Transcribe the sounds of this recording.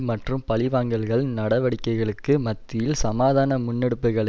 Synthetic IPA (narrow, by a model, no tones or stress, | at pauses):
mɐʈrɯmpɐlɪʋaːŋɡɐɭɣɐɭnɐɽɐʋɐɽɪkːɐɪɣɐɭɯkːɯmɐt̪ːɪjɪlsɐmaːðaːnɐmʊnːɛɽɯpːɯɣɐɭɐ